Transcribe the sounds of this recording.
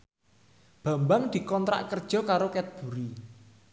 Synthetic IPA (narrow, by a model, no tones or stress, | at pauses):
b̥ä̤mbaŋd̪̥i̤kɔnt̪ɾa̰ʔkərd̥ʒ̥ɔ̤kaɾokɛt̪̚b̥ṳɾi